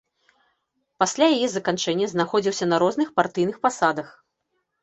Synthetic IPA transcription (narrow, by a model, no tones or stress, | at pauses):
pasʲlʲajajɛzɐkant͡ʂɛnʲːɐznaxɔd͡zʲiwsʲɐnɐɾɔzn̪ɨxpart̪ɨjnɨxpasad̪ɐx